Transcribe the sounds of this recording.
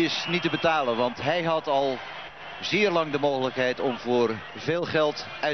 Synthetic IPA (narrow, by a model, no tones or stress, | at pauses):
ɪsnitəbətaːlənʋɑntɦɛjɦɑtɑlˠ | zɪːrlɑŋdəmoːɣələkɦɛjtɔmvʊːr | vɪːlˠχɛlˠt | œɥ